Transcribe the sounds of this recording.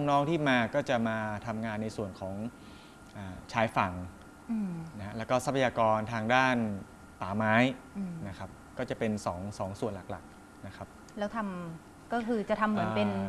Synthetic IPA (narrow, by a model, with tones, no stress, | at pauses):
ŋnɔː˦˥ŋt̪ʰiː˥˩maː˧kɔː˥˩t͡ɕa˨˩maː˧t̪ʰa˧mŋaː˧nːa˧jsu˨˩ənkʰɔː˩˦ŋ | ʔaː˨˩t͡ɕʰaː˦˥jfa˩˦ŋ˧ | na˦ha˦˥ʔlɛː˦˥wkɔː˥˩sa˦˥pʰːa˧jaː˧kɔː˧nt̪ʰaː˧ŋdaː˥˩n | t̪aː˩˦maː˦˥jna˦˥kʰa˦˥p̚kɔː˥˩t͡ɕa˨˩pe˧nsɔː˩˦ŋsɔː˩˦ŋsu˨˩ənla˨˩k̚la̰˨˩k̚ | na˦˥kʰa˦˥p̚ | lɛː˦˥wt̪ʰa˧m | kɔː˥˩kʰɯː˧t͡ɕa˨˩t̪ʰa˧mːɯ˩˦˧pe˧n